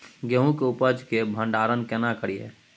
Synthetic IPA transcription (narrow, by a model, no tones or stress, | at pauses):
ɡəɦũkeʊpəd͡ʒkebʱə̃ɳɖaːɾənkɛnakəɾiḛː